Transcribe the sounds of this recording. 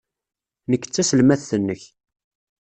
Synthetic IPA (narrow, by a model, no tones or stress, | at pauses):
nəkːə̥t͡sːæsəlmæθθənːəç